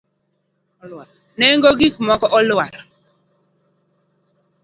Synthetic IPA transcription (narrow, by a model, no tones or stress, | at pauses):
nɛŋɡoɡikmɔkɔʔɔlwaɾ